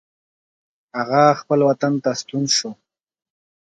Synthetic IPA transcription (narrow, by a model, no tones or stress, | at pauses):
aɣaxpəlwat̪ant̪ast̪unʃo